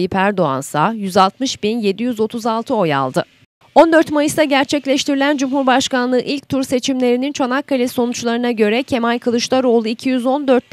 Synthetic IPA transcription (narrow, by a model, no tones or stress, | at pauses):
ɯpʰæɾd̪oa̰nsajyzalˠt̪mɯʃbinje̞d̪ijyzo̞t̪ʰuzalˠt̪ʰɯo̞ja̰lˠd̪ɯ | o̞nd̪ø̞ɾt̪majɯsd̪aɟæɾt͡ʃʰɛclʲɛʃt̪ʰiɾilʲænd͡ʒumɦuɾbaʃkanlˠɯːʔilʲc̚t̪ʰuɾse̞t͡ʃʰimlʲe̞ɾinint͡ʃʰonakʰːalʲɛso̞nut͡ʃlˠaɾɯnaɟø̞ɾɛcʰe̞malʲkʰɯlˠɯʃlˠaɾo̞ːlˠuicʰijyzo̞nd̪ø̞ɾt̪̚